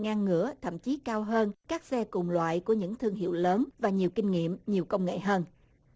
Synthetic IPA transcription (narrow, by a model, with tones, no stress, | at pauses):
ŋaː˧ŋːɨ̰˧˥ət̪ʰə̰˧˨mt͡ɕi˨˦kaː˧wɦəː˧nkaː˦˥k̚sɛ˧kʊ˨˩ŋ͡mlwa̰ː˧˨jku˧˩əɲɨ̰˧˥ŋt̪ʰɨ˧əŋɦḭ˧˨əwləː˨˦nvaː˨˩ɲi˨˩əwkï˧ŋ̟ŋḭ˧˨əmɲi˨˩əwkə˧wŋ͡mŋḛ˧˨ɦəː˧n